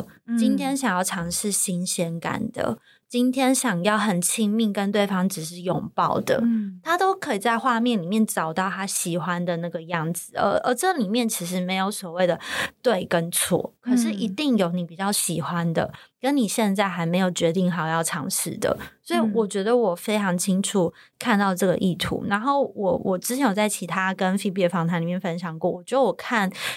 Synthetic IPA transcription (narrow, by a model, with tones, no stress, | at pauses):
t͡ɕi˥nt̪ʰjɛ˥nɕjɑ˨˩ŋjɑ˥˩ʊʈ͡ʂʰɑ˧˥ŋʂɻ̩˥˩ɕi˥nɕjɛ˥nka̰˨˩nd̪ə̰˩ | t͡ɕi˦˥nt̪ʰjɛ˥nɕjɑ˨˩ŋjɑ˥˩ʊxə˨˩nt͡ɕʰi˥ŋmi˥˩ŋkə˦nt̪we˥˩ɪfɑ˥ŋʈ͡ʂɻ̩˨˩ʂ̬ɻ̩˥˩jɔ̰˨˩ŋpɑ˥˩ʊd̪ə̰˩t̪ʰa˥t̪o˥ʊkʰɤ˧˥i˨˩t͡sa˥˧ɪxwa˥˧mjɛ˥˩nli˨˩mjɛ˥˩nʈ͡ʂɑ˨˩ʊt̪ɑ˥˩ʊt̪ʰa˥ɕi˨˩xwa˦nd̪ə˨na˥˩ɡə˩jɑ˥˩ŋd͡zɹ̩˩ə̰˧˥ʔə˧˥ʈ͡ʂɤ˥˩li˨˩mjɛ˥˩nt͡ɕʰi˧˥ʂ̬ɻ̩˧˥me˧˥ɪjo˧˥ʊswɔ˨˩we˥˩ɪd̪ə˩t̪we˥˩ɪkə˦nt͡sʰwɔ̰˥˩kʰɤ˨˩ʂɻ̩˥˩ʔi˧˥t̪i˥˩ŋjo˧˥ʊni˨˥˩pi˨˩t͡ɕjɑ˥˩ʊɕi˨˩xwa˦nd̪ə̰˨kə˦˥nni˨˩ɕjɛ˥˧nt͡sa˥˩ɪxa˧˥ɪme˧˥ɪjo˨˩ʊt͡ɕɥɛ˧˥t̪i˥˩ŋxa˨˩ʊjɑ˥˩ʊʈ͡ʂʰɑ̰˧˥ŋʂɻ̩̰˥˩d̪ə̰˩swɔ˧˥i˨˩wɔ˨˩t͡ɕɥɛ˧˥d̪ə˧wɔ˨˩fe˥ɪʈ͡ʂʰɑ˧˥ŋt͡ɕʰi˥ŋʈ͡ʂʰu˨˦ | kʰa˥˧nt̪ɑ˥˧ʊʈ͡ʂɤ˥˩ɡə̰˩ʔi˥˩t̪ʰṵ˨˧˦na˧˥nxo˥˩ʊwɔ˨˩wʔɔ˨˩ʈ͡ʂɻ̩˥t͡ɕʰjɛ˧˥nwo˨˩t͡sa˥˩ɪt͡ɕʰi˧˥t̪ʰa˥kə˦nfi˥˧pɛ˥˧˩fɑ˨˥ŋt̪ʰa˧˥nli˨˩jɛ˥˩nfə˦nɕjɑ˨˩ŋkwɔ˥˩wɔ˨˩t͡ɕɥɛ˧˥d̪ə˧wɔ˨˩kʰa˥˩n